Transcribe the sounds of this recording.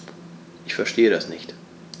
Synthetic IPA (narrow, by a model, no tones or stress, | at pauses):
ʔɪçfɛɐʃteːəɾasnɪçt